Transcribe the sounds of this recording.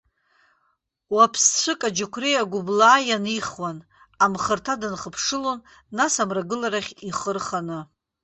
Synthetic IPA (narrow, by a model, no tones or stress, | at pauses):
wapʰst͡ʃʷʰɨkʼad͡ʒakʷʰrijaɡʷʊblaːjaniχwan | amχərtʰadɨnχəpʰʂɨlo̞nː | asamraɡɨlaɾaχʲiχərχanɨ